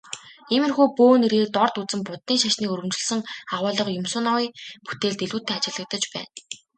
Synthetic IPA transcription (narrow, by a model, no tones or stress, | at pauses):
emɘ̆rxuːpoːneɾeːkt̪ɔrt̪ut͡sɘ̆mpʊt̪niːŋʃaʃniːkɵɾɣɘ̆mt͡ɕɪ̆ɮsə̆ŋaʁʊːɮə̆qjʊmsʊːnawiːpu̥t̪eːɮt̪eɮuːt̪ʰeːat͡ɕɪ̆ɮə̆k̚t̪ə̆t͡ɕpæ̰ːn